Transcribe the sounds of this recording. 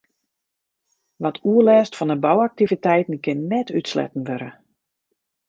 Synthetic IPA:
ʋɔtʰuəlɛːstfɔndəbawak̚tivitɛjtn̩kɪnːɛtʰytslɛ̰tn̩ʋøɾə̰

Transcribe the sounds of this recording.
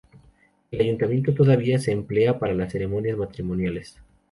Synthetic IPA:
elaʝunt̪amje̞nt̪ot̪̬oðaβiase̞ːmple̞apaɾalasːe̞ɾe̞mo̞njazmat̪ɾimo̞njale̞s

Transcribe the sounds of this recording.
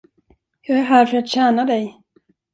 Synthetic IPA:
jɑæɾɦæːɾfœɾat̪ɕæːnad̪ɛj

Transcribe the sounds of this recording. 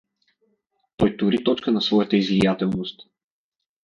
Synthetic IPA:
t̪ɔjt̪ʊɾit̪ɔt͡ʃkənɐsvɔjət̪əizvijat̪ɛlˠnost̪

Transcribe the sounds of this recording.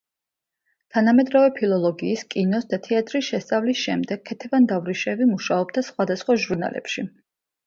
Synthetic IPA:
t̪ʰanamɛd̪ɾavɛpʰilˠɔlˠɔɡiːskʼinɔsd̪at̪ʰɛat̪ʼɾisʃɛst̪sʼavlisʃɛmd̪ɛɡ̚ʰɛt̪ʰɛvand̪avɾiʃɛvimuʃaɔbd̪asχwad̪asχwaʒuɾna̰lɛ̰pʃi

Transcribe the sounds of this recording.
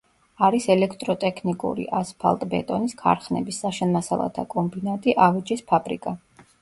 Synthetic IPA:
aɾisɛlɛkʰt̪ʼɾɔt̪ʼɛkʰnikʼṵɾḭʔaspʰa̰lˠt̪ʼbɛ̰t̪ʼɔniskʰa̰ɾχnɛ̰bisːaʃɛnmasalˠa̰t̪ʰakʼɔmbinat̪ʼiʔavit͡ʃʼispʰabɾḭkʼa

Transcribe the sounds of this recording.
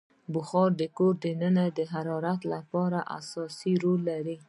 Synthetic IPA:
bʊxɑɾd̪əkoɾd̪ənənad̪əɦaɾɑɾat̪lapɑɾaʔa̰sɑsiɾolːaɾi

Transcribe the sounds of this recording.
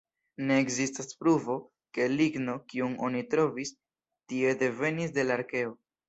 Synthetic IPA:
ne̞ːkzistaspɾuvo̞ | ke̞liɡno̞kiuno̞nitɾo̞vis | tie̞de̞ve̞nis̬de̞laɾke̞o̞

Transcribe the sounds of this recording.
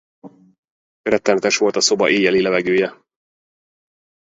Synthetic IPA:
rɾɛt̪ːɛmɛt̪ɛʃʋo̞lt̪ɒso̞bɒ̰ʔeːjɛlilɛvɛɡøːjɛ

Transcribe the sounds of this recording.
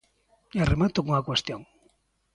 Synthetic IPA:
aremat̪okoŋakwest̪joŋ

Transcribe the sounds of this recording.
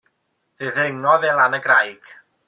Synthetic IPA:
ð̥ɪðɪŋɔðɛlˠanəɡrajɡ̥

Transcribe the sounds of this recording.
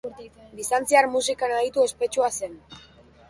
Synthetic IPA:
d̪ist̪ant͡siaɾmusikanaɣit̪ue̞spe̞t͡ʃuasen

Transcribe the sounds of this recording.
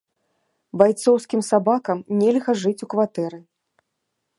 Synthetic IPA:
bajt̪sɔwskʲimsabakɐmnʲɛlʲɣɐʐɨt͡sʲukvat̪ɛɾɨ

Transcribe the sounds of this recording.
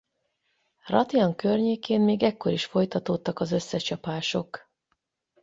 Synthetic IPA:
rɒ̰t̪iɒŋkørɲeːkeːmmeːɡɛkːo̞ɾiʃfo̞jt̪ɒt̪oːt̪ːɒkɒzø̞sːɛt͡ʃɒpaːʃo̞k

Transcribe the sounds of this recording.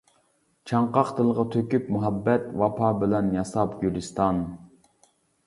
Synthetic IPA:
t͡ʃʰɑɴqɑqt̪ʰɨlˠʁɑt̪ʰøkʲypmuɦɑbːɛt̪wɑpʰɑːbɪlɛnjɑsɑpɡʲylɪst̪ɑn

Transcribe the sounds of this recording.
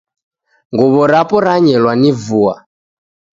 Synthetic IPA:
ŋɡɔβɔɾapɔɾaɲɛlwanivua̰

